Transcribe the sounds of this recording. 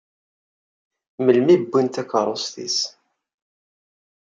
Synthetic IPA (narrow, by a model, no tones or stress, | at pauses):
məlmibːunt̪ækəɾˤosθḭs